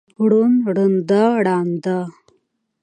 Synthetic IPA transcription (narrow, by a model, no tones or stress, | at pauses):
ɽunɽənd̪aɽaːnd̪a